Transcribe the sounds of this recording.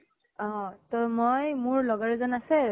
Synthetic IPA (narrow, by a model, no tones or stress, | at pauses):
ɔ̃tɔmojmʊɹlɔɡaɹɛzɔnasɛ